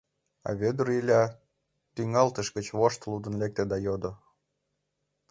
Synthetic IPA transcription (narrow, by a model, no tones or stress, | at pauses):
ɑ̰βød̪uɾilʲɑ | t̪yŋɑlt̪əʃɡət͡ɕβoʃt̪lud̪ə̆nlek̚t̪ĕd̪ɑjod̪o